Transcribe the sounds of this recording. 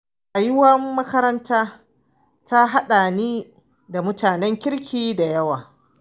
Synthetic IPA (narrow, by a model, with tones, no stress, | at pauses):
ʔa˨jɪ˦wɐ˦mːɐ˦kɐ˦ɾɐ˦ntʰaː˦ | ta˦ɦa˦ɗa˨niː˦ | da˨mʊ˦taː˨nɛ˦ŋkʲɪ˦ɽkʲʰiː˦da˨jɐ˦waː˨